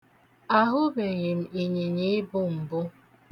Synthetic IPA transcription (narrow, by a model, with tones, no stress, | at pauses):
a˦ɦʊ˦be˨ɲe˨m̩˨i˨ɲe˨ɲe˦bʊ˦m̩˨bʊ˦